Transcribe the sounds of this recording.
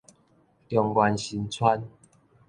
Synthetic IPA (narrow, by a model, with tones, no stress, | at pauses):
t̪jɔ˨ŋɡwa˧nɕi˧nt͡sʰwa˦n